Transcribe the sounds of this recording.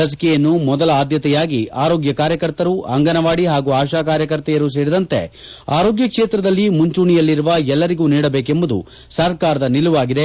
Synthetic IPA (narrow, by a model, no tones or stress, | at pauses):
ɐs̬ɐ̥kɛjɐnːumɔd̪ɐlɐaːd̪jɐt̪ɛjaːɡiaːɾoːɡjɐkaːɾjɐkɐɾt̪ɐɾuʔɐŋɡɐnɐʋaːɽiɦaːɡuːaːʃaːkaːɾjɐkɐɾt̪ɛjɐɾus̬eːɽid̪ɐnt̪e̞̰ | a̰ːɾo̞ːɡjɐkʂeːt̪ɾɐd̪ɐlːimuɲt͡ʃuːɳijɐlːiɾuʋɐɛlːɐɾiɡuːniːɽɐbe̞ːkembud̪ṵ | sɐɾkaːɾɐd̪ɐniluʋaːɡid̪e